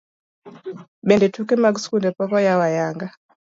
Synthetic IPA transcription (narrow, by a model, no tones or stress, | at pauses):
ɓɛndɛtukɛmaɡskundɛpɔkɔjawajaŋɡa